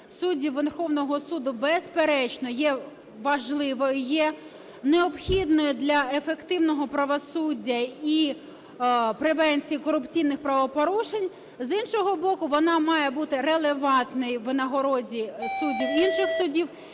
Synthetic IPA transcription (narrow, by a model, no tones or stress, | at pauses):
sudʲiwʋɛrxɔwnɔɦɔsud̪ʊbɛspeɾɛt͡ʃnɔjɛ | ʋɐʒlˠɪʋɔjʊjɛ | neɔpxʲid̪nɔjʊd̪lʲɐefekt̪ɪwnɔɦɔpɾɐʋɔsudʲːɐi | pɾeʋɛnʲt͡sʲijikɔɾʊpt͡sʲijnɪxpɾɐʋɔpɔɾuʃenʲ | zinʃɔɦɔbɔkʊʋɔnɑmɑjɛbut̪ɪɾelˠeʋɑnt̪nɔjʋnɐɦɔɾɔdʲisudʲiwinʃɪxsʊdʲiw